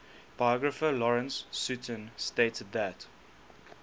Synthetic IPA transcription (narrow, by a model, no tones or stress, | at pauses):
b̥ajɔɡɹəfəlɔɹə̃nsːʉtʰə̃nsteɪtəd̪̚ðæt